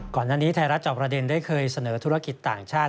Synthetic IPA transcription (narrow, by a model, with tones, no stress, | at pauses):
kɔː˨˩nːaː˥˩niː˦˥t̪ʰaː˧ɾa˦˥t̪̚t͡ɕɔ˨˩p̚ɾa˧de˧ndaː˥˩jkʰɤː˧jsa˧nɤː˩˦t̪ʰu˦˥ɾa˦˥ki˨˩t̪ːa̰ː˨˩ŋt͡ɕʰaː˥˩